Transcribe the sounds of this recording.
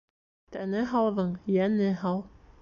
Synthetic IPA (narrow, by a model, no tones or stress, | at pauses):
t̪ænɘɦɑwðɤɴjænɘɦɑlˠ